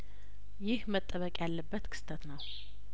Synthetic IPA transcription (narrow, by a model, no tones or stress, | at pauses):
jɪhmət̪ʼːəβəkʼjalːəbːət̪kʰɨ̥st̪ʰət̪nəw